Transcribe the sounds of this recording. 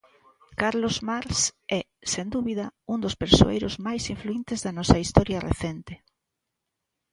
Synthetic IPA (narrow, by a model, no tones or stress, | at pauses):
kaɾlozmaɾsɛ | send̪uβiðɐund̪ospeɾso̰ḛjɾʊzmajsiɱfluint̪ɪzðɐnɔsɐist̪ɔɾjɐrḛθɛnt̪ɪ